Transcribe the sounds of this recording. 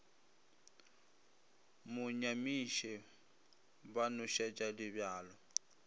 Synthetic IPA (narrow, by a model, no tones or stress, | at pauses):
mʊɲamiʃɛ | banʊʃɛt͡ʃʼalɪbjaːlɔ